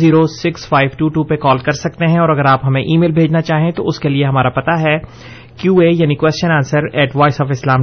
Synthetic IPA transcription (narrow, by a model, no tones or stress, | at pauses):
ziːɾosɪksfaːɪʋʈuːʈuːpekɔːlkɐɾsɐk̚t̪eɦɛ̃ɔːɾɐɡəɾaːpɦɐmẽʔiːmeːlbʱeːd͡ʒnat͡ʃaːɦẽt̪oʊskelieɦɐmaːɾapɐt̪aɦɛː | kjuːeːjaːnikwɛːst͡ʃənãːnsəɾɛːʈʋaːɪsɔːfɪslaːm